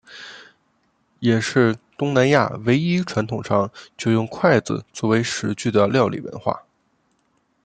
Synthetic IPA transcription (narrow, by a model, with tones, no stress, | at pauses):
jɛ˨˩ʂɻ̩˥˩t̪ʊ˥ŋna˧˥nja̰˥˩we˧˥ɪi˥ʈ͡ʂʰwa˧˥nt̪ʰʊ˨˩ŋʂʰɑ˥ŋt͡ɕjo˥˧ʊjʊ˥˧ŋkʰwa˥˩ɪd͡zɹ̩̰˨˩t͡swɔ˥˩we˧˥ɪʂɻ̩˧˥t͡ɕy˥˩d̪ə˩ljɑ˥˩ʊlḭ˨˩wə̰˧˥nxwa̰˥˩